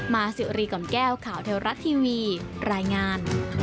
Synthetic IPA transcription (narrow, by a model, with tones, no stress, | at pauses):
maː˧sɯ˨˩ɾiː˧kɔ˨˩˦mkɛː˥˩wkʰaː˨˩˦wt̪ʰe˧wɾa˦˥t̪ʰːiː˧wiː˧ɾaː˧jŋaː˧n